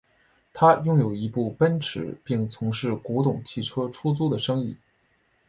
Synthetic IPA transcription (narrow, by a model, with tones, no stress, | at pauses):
t̪ʰa˥jʊ˥ŋjo˨˩ʊi˧˥pu˥˩pə˥nʈ͡ʂʰɻ̩˨˧˩pi˥˩ŋt͡sʰʊ˧˥ŋʂɻ̩˥˩ku˧˥t̪ʊ˨˩ŋt͡ɕʰi˥˩ʈ͡ʂʰɤ˥ʈ͡ʂʰu˥t͡su˥d̪ə˨ʂɤ˥ŋi˥˩